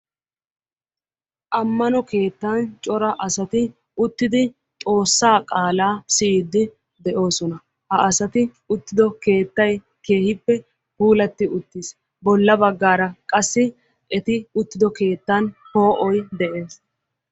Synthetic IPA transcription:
ʔɐmːɐnɔke̞ːt̪ːant͡ʃʼɔɾɐʔɐsɐt̪ɪ | ʊt̪ːɪd̪ɪ | t̪ʼo̞ːsːaːkʼaːlaːsɪːd̪ːɪ | d̪ɛʔo̞ːsɔnɐ | hɐʔɐsɐt̪ɪ | ʊt̪ːɪd̪ɔke̞ːt̪ːɐj | ke̞ːhɪpːɛ | huːlɐt̪ːɪʔʊt̪ːis | bɔlːɐbɐɡːaːɾɐkʼɐsːɪ | ɛt̪ɪʊt̪ːɪd̪ɔke̞ːt̪ːɐnho̞ːʔɔjd̪ɛʔe̞ːs

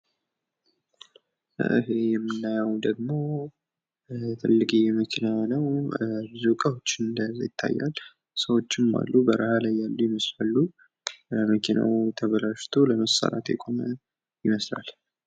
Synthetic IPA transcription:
ʔɨɦejɛmːɨnːajawd̪əɡmo̞ | t̪ʰɨlːɨɡʼijɛməkʰinanəwbɨzukʼəhot͡ʃːɨnd̪əza̰jɪt̪ʰːa̰jːa̰l | səwo̞t͡ʃːɪma̰lːubəɾəhalajːalːujɪməslalːu | məkʰina̰wt̪ʰəβəlaʃt̪ʰoləməsa̰ɾa̰t̪jɛkʼo̞mə | jɪməsla̰l

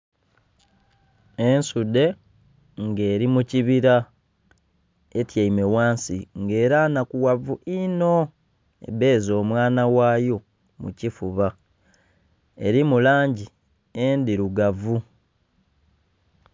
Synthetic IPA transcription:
e̞nsude̞ | ŋɡe̞ːɾimuciβiɾa | etjaime̞waːnsḭŋɡe̞ːɾanakuwavuʔino̞ | ḛbe̞ːzo̞ːmwaːnawaːjo̞ | mṵcifuβa | e̞̰ɾimulaːɲɟi | endiɾuɡavu

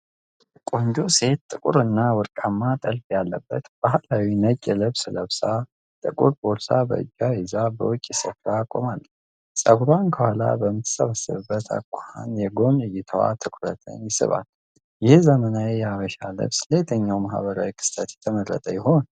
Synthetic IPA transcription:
kʼo̞ɲd͡ʒo̞se̞t̪̚ːʼɨkʼṵɾɨnːawɔɾkʼamːat̪ʼəlfjalːə̰bːət̪b̥aɦalawinət͡ʃʼːɛlɨβsləβsa | t̪ʼɨkʼuɾboɾsabə̰ɨ̰d͡ʒːajɛzabə̰wʊt͡ʃʼːisɨfɾakʼo̰malː | sʼəɡɾankʰəhala̰bəmɨt̪ʰə̥səβəsɨβɨbːət̪ʰa̰kʷʰʼːaha̰njɛɡo̞nɨjɪt̪ʰəwa̰t̪ʰɨkʰʼɾə̰t̪ʰə̰njɪsɨ̰βa̰l | jɪhzəmənaejɛaβəʃalɨ̰βslet̪ʰəɲːawmahβəɾa̰wikʰɨ̥st̪ʰət̪jɛ̥t̪ʰəmərːə̰t̪ʼəjɪho̞n

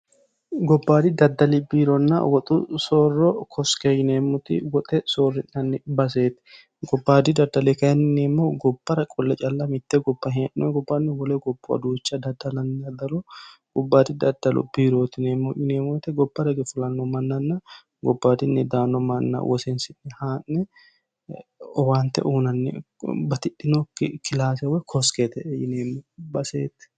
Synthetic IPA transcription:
ɡɔbːaːd̪ɪd̪ɐd̪ːɐlɪbiːɾɔnːɐ̰wɔt̪ʼʊsɔrːɔkʰɔskejɪneːmːʊt̪ɪ̰wɔt̪ʼɛsorːɪnːɐnːɪbɐs̬eːt̪ɛ̥ | ɡɔbːaːd̪ɪd̪ɐd̪ːɐlekɐjɐnɪnɛmːoɡɔbːɐɾɐkʼɔlːɛt͡ʃʼɐlːɐmɪt̪ːɛɡɔbːɐɦɪʔnɔɡɔbːɐnːɪwɔlɛɡɔb̥ːʊɐ̰d̪uːt͡ʃːɐd̪ɐd̪ːɐlɐnːɪɐd̪ɐlɔɡ̥ɔbːaːd̪ɪd̪ɐd̪ɐlɔ̰biːɾoːt̪ɪnɛmːɔʔɪneːmɔt̪ɛɡɔbːɐɾɐɡɛfʊlɐnːɔmɐnːɐnːɐ | ɡɔbːaːd̪ɪnːɛd̪aːnːɔmɐnːɐ̰wɔsɛnsɪnːɛhaːnːɛ | ɔwaːnt̪ɛ̰ʔuːnɐnːɛ̰ | bɐt̪ɪᶑɪnɔkʰɪlaːsɛwɔkʰɔsket̪ɛjɪneːmːɔbɐseːt̪ɛ̥

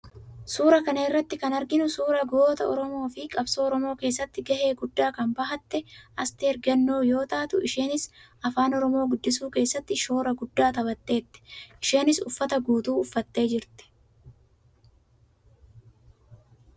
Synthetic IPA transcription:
suːɾɐkɐnɐɪrːɐt̪ːɪkɐnɐɾɡɪnʊsuːɾɐɡoːt̪ɐɔɾɔmo̞ːfɪkʼɐbsoːɔɾɔmoːke̞ːsːɐt̪ːɪɡɐhe̞ːɡʊd̪ːaːkɐmbɐɦɐt̪ːɛʔɐst̪ɛɛɾɡɐnːoːjo̞ːt̪aːt̪ʊʔɪʃeːnɪs | ɐfaːnɔɾɔmo̞ːɡʊd̪ːɪs̬uːke̞ːsːɐt̪ːɪʃo̞ːɾɐɡʊd̪ːaːt̪ɐbɐt̪ːe̞ːt̪ːɛ̥ʔɪʃe̞ːnɪsʊfːɐt̪ɐɡuːt̪uːʊfːɐt̪ːe̞ːd͡ʒɪɾt̪ɛ̥

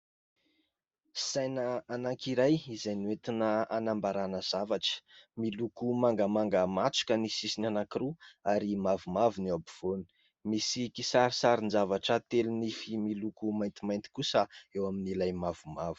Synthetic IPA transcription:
sajnəanakiɾajizajniwet̪inəanambaɾanəz̥avaʈ͡ʂə̥milukumaŋɡəmaŋɡəmat͡su̥kʲənisisinanakiɾuaɾimavumavunabiv̥oni̥ | misikisaɾisaɾinzavaʈ͡ʂət̪elinifimilukumajnt̪imajnt̪i̥kusəewaminilajmav̥umavu̥

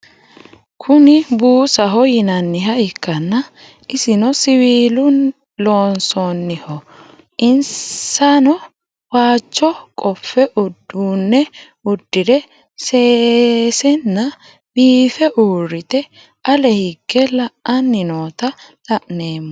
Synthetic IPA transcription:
kʰʊnɪbuːsɐɦɔjɪnɐnːɪɦɐɪkːɐnːɐ | ʔɪsɪnɔsɪwiːlʊn | lo̞ːnsonːɪhɔ | ʔɪnsanɔ | waːt͡ʃːɔkʼɔfːɛʔʊd̪ːunːɛ | ʊd̪̥ːɪdɛ | seːsɛnːɐ | biːfɛʔuːɾɪt̪ɛ | ʔɐlɛhɪkːɛlɐʔɐnːɪno̞ːt̪ɐt̪ɐʔne̞ːmːɔ

